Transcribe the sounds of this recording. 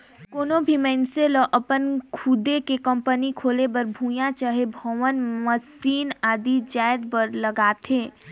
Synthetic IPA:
koːnobʱimɛ̃ːnselɔʔəpənkʰud̪ekekə̃mpənikʰoːlebəɾbʱũːjãt͡ʃaɦebʱɔʋənməsiːnaːd̪id͡ʒaːɪd̪bəɾləɡaːt̪ʰẽː

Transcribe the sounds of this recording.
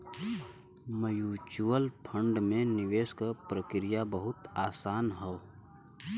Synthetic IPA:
məjuːt͡ʃuəlpʰə̃ɳɖmẽnɪʋeːskəpɾəkɾijabəɦʊt̪aːsaːnɦɛo

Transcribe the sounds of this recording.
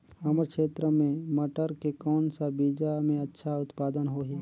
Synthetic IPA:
hɐməɾkʃeːt̪ɾəmẽmɐʈəɾkekɔːnsabiːd͡ʒamẽɐtːʃʰaʊt̪paːd̪ənɦoːɦiː

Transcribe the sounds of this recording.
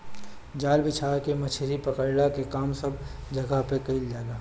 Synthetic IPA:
d͡ʒaːlbɪt͡ʃʰaːɾkemɐt͡ʃʰɾipəkəɽɽakekaːmsɐb | d͡ʒɐɡaɦpekɐild͡ʒaːɡaː

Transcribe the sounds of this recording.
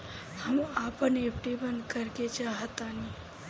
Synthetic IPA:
həmapənepʰʈibənd̪kəɾket͡ʃaɦət̪ani

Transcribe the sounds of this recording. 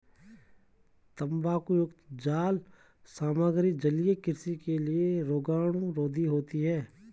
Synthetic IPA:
t̪ə̃mbaːkujʊkt̪d͡ʒaːl | saːməɡɾɪk̚d͡ʒəlijekɪɾsikelieɾoːɡaːɽ̃ũɾoːd̪ʱiɦoːt̪iɦɛː

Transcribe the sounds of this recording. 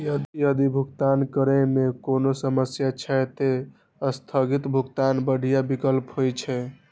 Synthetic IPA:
jəd̪jəd̪ibʱuɡt̪ankəɾɛmekonosəməsjat͡ʃʰɛt̪e | əst̪ʰəɡit̪bʱuɡt̪anbəɽ̤ijabikəlpɦojt͡ʃʰɛ

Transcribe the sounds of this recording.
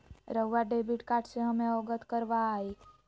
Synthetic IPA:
ɾəːaɖebiʈkaʈseɦəmeɔɡət̪kəɾʋaːi

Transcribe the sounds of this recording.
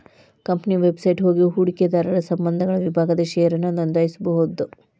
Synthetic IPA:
kɐmpniʋebsɐjʈɦo̞ːɡiɦuːɽiked̪aːɾɐɾɐsɐmbɐnd̪ʱɐɡɐɭɐʋibʱaːɡɐd̪ɐʃeːɐɾɐnɐnɐnd̪ɐːjisubɐɦud̪u

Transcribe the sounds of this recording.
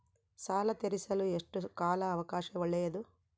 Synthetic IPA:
saːlɐt̪eɾisɐlueʂʈukaːlɐːʋɐkaːʃɐʋɐɭːɛjɐd̪u

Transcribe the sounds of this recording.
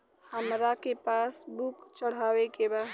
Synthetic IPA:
həmɾakepasbukt͡ʃəɽ̤awekeba

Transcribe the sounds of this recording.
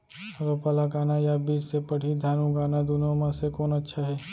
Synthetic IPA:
ɐɡapɐlakaːnajabiːd͡ʒsepɐɽ̤id̪ʱaːnũɡaːnad̪unomãsekoːnɐtːʃʰaɦɛː

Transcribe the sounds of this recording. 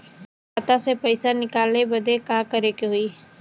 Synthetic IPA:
aːt̪asepəɪsanɪkaːlebɐd̪ʱekakəɾekeɦʊiː

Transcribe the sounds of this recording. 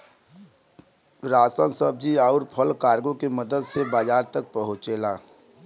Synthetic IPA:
ɾaːsə̃nsəb̚d͡ʒiaːʊɾpʰəlkaːɾɡõkeməd̪əd̪sebaːd͡ʒaːɾt̪ək̚pəɦʊ̃t͡ʃeːlaː

